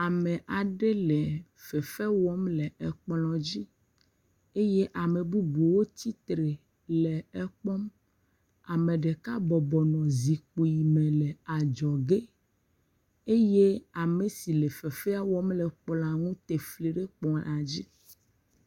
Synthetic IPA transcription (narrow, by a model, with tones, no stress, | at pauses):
a˨mɛ̃˨ʔa˨ɖe˦le˨ | fɛ˨fɛ˦wɔ˦mlɛ˨ɛ˨k͡plɔ̃˨d͡ʑi˦ | e˦je˦ʔa˨me˨bu˦bu˨wo˦t̪i˦t̪ɾe˨ | lɛ˨ɛ˦k͡pɔ˦m | a˨mẽ˨ɖe˨ka˦bɔ˨bɔ˨nɔ̃˨zi˨k͡po˨ji˨mẽ˨lɛ˨a˨d͡ʒɔ˨ɡe˦ | e˦je˦a˨me˨si˨le˨fɛ˨fɛ˦a˦wɔ˦mlɛ˨k͡pla˨ŋũ˦t̪e˨fli˨ɖe˦k͡pɔ̃˨a˨d͡ʑi˦